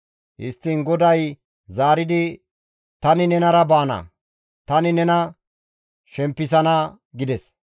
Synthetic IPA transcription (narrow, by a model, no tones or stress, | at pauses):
hɪ̰st̪ːɪnɡɔd̪ɐj | zaːɾɪd̪ɪ | t̪ɐnɪnɛnɐɾɐbaːnɐ̰ | t̪ɐnɪnɛnɐ | ʃɛmpːɪs̬ɐnɐ | ɡɪd̪ɛs